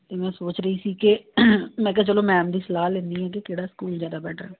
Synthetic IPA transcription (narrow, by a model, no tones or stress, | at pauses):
t̪eːmɛ̃ːsoːt͡ʃɾəiːsiːkɪmɛ̃ːk̬ɛːt͡ʃəlõːmɛ̃ːmd̪iːsəlaːlɪ̃nd̪iːɦɛ̃ːk̬ɪkeːɽaːskuːld͡ʒjaːd̪aːbɛːʈɾɛː